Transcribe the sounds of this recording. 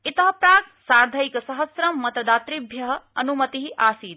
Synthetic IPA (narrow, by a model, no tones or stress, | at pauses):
it̪ɐɦɐpɾaːksaːɾd̪ʱɐjkɐsɐɦɐsɾɐmːɐt̪ɐd̪aːt̪ɾibʱjɐɦɐ̆ɐnumɐt̪iɦiʔaːsiːd̪